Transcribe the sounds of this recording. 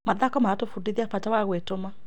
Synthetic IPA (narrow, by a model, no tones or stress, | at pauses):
maðakɔmatofudiðiapatawaɣwetoma